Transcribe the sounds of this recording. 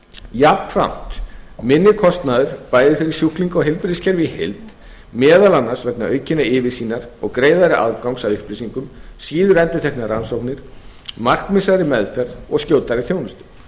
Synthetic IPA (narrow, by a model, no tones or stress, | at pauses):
japfɾa̰m̥t̪mɪnːɪkʰɔst̪naðʏɾ̥paːjðɪfɪɾɪɾ̥sjuhkliŋkɔɦɪlpɾɪscʰɛɾvɪhḛlt̪ | mɛːðalanːasvɛknaœɥcɪnaɪvɪsiːnaɾɔ̰ɣkɾeːjðaɾɪʔa̰ðkawŋsavʏhplɪsiŋkʏmsiːðʏɾɛnt̪ɪt̪ʰɛhknaɾansowknɪɾ̥ | mar̥kmɪsaɾɪmɛðfɛɾðɔɣscoːwt̪aɾɪθjownɪst̪ʏ̥